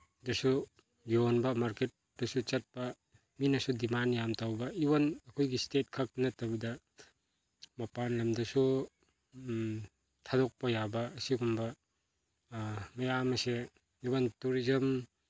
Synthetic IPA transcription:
dɐsu | jonbɐmaɾket̚dɐsut͡ʃɐt̚pɐ | minɐsudimanjamtawbɐibɐnɐkʰojɡistet̚kʰɐk̚nɐtɐbɐdɐ | mɐpanlɐmdɐsu | tʰadɔk̚pɐjabɐːsiɡumbɐ | mɐjamɐse | ibɐntuɾizɐm

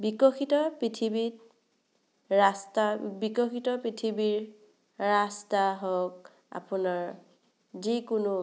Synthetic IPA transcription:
bikɔxitɔpɹitʰibit | ɹastabikɔxitɔpɹitʰibiɹ | ɹastaɦɔk | a̰punaɹ | zikʊnʊ

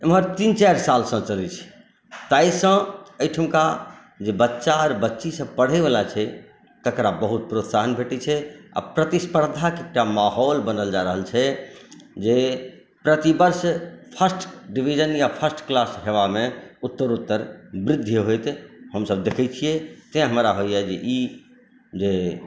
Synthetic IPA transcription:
emɦəɾt̪int͡ʃaɾsalsə̃t͡ʃəlɛt͡ʃʰɛ̥ | t̪ajsə̃əjʈʰəmka | d͡ʒebətːʃaːɾbətːʃisə̃bpəɽ̤ɛʋelat͡ʃʰɛ | k̪əkɾabəɦut̪̚pɾot̪saɦənbʱeʈit͡ʃʰɛa̰pɾət̪ispəɾd̪ʱakek̚ʈamaɦɔlbənəld͡ʒaɾəɦəlt͡ʃʰɛ | d͡ʒe | pɾət̪ibəɾspʰəsʈɖibʱid͡ʒənjapʰəsʈklasɦeʋamẽut̪ːəɾut̪ːəɾbɾɪd̪ʱːjəɦojt̪ɦəmsəbd̪ekʰɛt͡ʃʰijet̪ɛ̃ɦəmɾaɦojɛd͡ʒeʔi | d͡ʒe

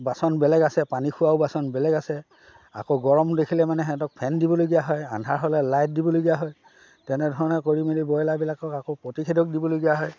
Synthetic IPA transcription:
basɔnbɛlɛɡasɛpanikʰʊwaʊbasɔnbɛlɛɡasɛ | a̰koɡɔɹɔmdekʰilɛmanɛɦɛtɔk̚pʰɛndibɔloɡijaɦɔja̰ndʱaɹɦɔlɛlajt̚dibɔlojɡijaɦɔj | tɛnɛdʱɔɹɔnɛkoɹimedibɔjlabilakɔkakopɹotikʰidɔk̚dibɔloɡijaɦɔj

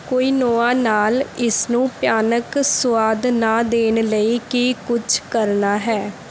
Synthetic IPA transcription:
koːiːnoːãːnaːlɪsnũːpjaːnəksʊwaːd̪naːd̪eːnləiːkɪkʊt͡ʃʰkəɾnaːɦɛː

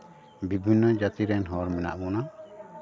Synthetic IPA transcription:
bibʱinːɔd͡ʒat̪iɾɛnɦɔɾmɛna̰ʔbɔna

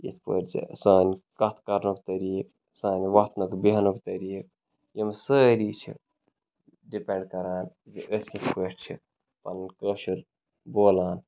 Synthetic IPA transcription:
jḭt̪pə̰ʈd͡ʒḛsaːnʲkɐt̪ʰkɐɾnukt̪ɐɾiːk | saːnʲʋɐt̪nokbiɦɐnokt̪ɐɾiːk | jmsəɾit͡ʃʰḭ | ɖipẽɳɖkɐɾaːn | zeʔəsnispəːʈt͡ʃʰḭ | pɐ̰nnkəʃuɾ | boːlaːn

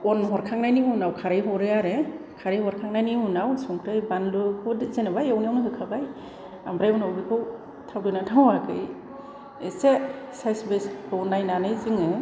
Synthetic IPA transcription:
ɔnɦɔɾkʰaŋnajnimunawkʰaɾɯjɦɔɾɯaɾe | kʰaɾɯjhɔɾkʰaŋnajnimunawsɔŋkʰɾɯjbanlɯkʰɔdzenabajɔwniɔnɯɦɯkʰabaj | ambɾajmɯnawbikʰɯw | tʰawdɔjnatʰawakɯ̰j | ese | sajsbeskʰɯwnajnanɯjzɯŋɯ

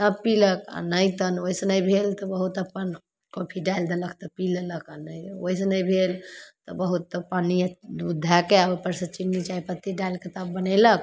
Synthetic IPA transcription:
t̪əbpiləka̰nəjt̪ənoisənəjbʱelt̪ɔbəɦut̪əpːən | kopʰiɖajld̪eləkt̪ɔpilələkanəjojsənəjbʱelt̪ɔbəɦut̪ːɔpanid̪ud̪ʱːakeabepəɾsə̃t͡ʃinːit͡ʃaipət̪ːiɖailket̪əbbənɛlək

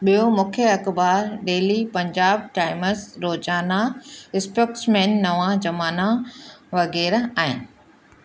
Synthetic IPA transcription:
ɓijomʊ̃kʰjəɐkbaːɾɗeːlipɐ̃ɲd͡ʑaːb̚ʈaːɪməzɾoːzaːnaɪspoːksmeːnːɐʋãd͡ʑɐmaːnaʋɐɣɛːɾaːɦɪnɪ̆

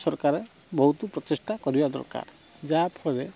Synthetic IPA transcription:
sɔɾkaɾe | bɔɦut̪upɾɔt̪esʈakɔɾibad̪ɔ̰ɾka̰ɾ | d͡ʒapʰɔɾe

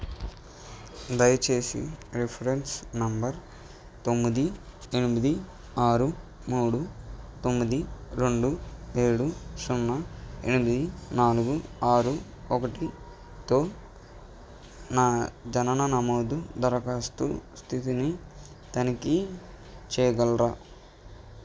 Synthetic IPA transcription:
d̪ɐjɐt͡ʃe̞ːsḭɾepʰɐɾensnɐmbɐɾ | t̪o̞mːid̪i | e̞nimid̪i | aːɾu | muːɽut̪omːid̪iɾeɳɖue̞ːɽusunːɐe̞̰nimid̪inaːluɡuaːɾu | ɔkɐʈi | t̪o̞ː | naːd͡ʒɐnɐnɐnɐmoːd̪ud̪ɐɾɐkaːst̪ṵst̪ʰit̪ini | t̪ɐniki | t͡ʃɛːɡɐlɾaː

